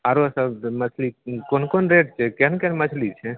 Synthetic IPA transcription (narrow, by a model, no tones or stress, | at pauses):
aɾosəbmət͡ʃʰlikonkonɾeʈ̚t͡ʃʰɛkenkɛnmət͡ʃʰlit͡ʃʰɛ